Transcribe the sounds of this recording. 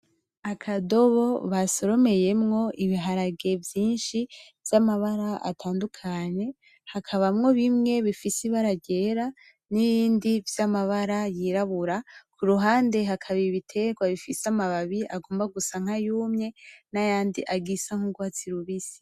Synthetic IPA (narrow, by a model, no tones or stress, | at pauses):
akʰado̞βo̞βaso̞ɾo̞me̞je̞mŋo̞ʔiβiɦaɾaɡe̞vjiːnʃivjamaβaɾaa̰tʰaːndukʰaɲe̞ | hakʰaβamŋo̞βimŋe̞βifisiβaɾaɟe̞ɾa | niβiːndivjamaβaɾajiɾaβuɾakʰuɾuɦaːnde̞ɦakʰaβiβitʰe̞ɡwaβifisamaβaβiʔaɡo̞ːmbaɡusaŋ̥hajuːmɲe̞najaːndiʔaɡisaŋ̥uɡwat͡siɾuβisi̥